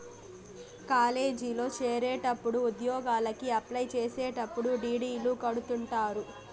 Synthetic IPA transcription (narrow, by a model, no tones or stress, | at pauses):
kaːle̞ːd͡ʒilo̞ːt͡ʃeːɾeːʈɐpːuɽuud̪jɔːɡaːlɐkiɐplɐjt͡ʃeːseːʈɐpːuɽuɖiːɽiːluːkɐɽut̪uɳʈaːɾu